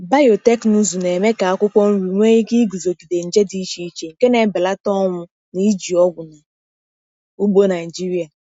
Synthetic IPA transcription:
ba˦jo˨te˦knu˦zu˨ne˨me˦ka˨a˦kʷʊ˦kʷɔ˦n̩˦ɾi˨ŋʷe˦i˦ɡi˦ɡu˨zo˨ɡi˨de˨n̩˨d͡ʒe˦di˦ʃi˦t͡ʃe˨ŋ̩˨ke˦ne˨˦bɪ˨la˦tɔ˦ŋʷʊ˦ | ni˦d͡ʒi˨ɔ˦ɡʷʊ˨na˨ | u˦ɡ͡bo˦na˨ɪ˨d͡ʒi˦ɾi˦a˨

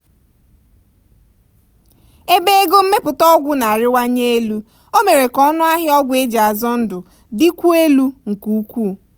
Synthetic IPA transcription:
e˦be˦ɡo˦m̩˦me˦pʊ˨tɔ˦ɡʷʊ˦na˨a˨ɾɪ˦wa˦ɲe˦e˦lu˦ | o˦me˨ɾe˨kɔ˦nʊ˦a˦ɦɪ˦ɔ˦ɡʷʊ˨˦e˦d͡ʒa˨a˨zɔ˦n̩˦dʊ˨ | dɪ˦kʷu˦e˦lu˦ŋ̩˨ku˦˨˦kʷu˦˨

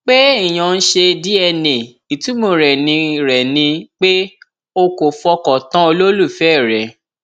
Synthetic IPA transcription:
k͡pe˦i˦˨j̃ã˧˨˧n̩˦ʃe˧di˦ɛ˧nẽ˨ | i˨tĩ˨˦mo˧ɾɛ˨nĩ˧ɾɛ˨nĩ˧k͡pe˦ | o˧ko˨fɔ˧kɔ˨tã˦o˧lo˦lu˦˨fɛ˦˨ɾɛ˨

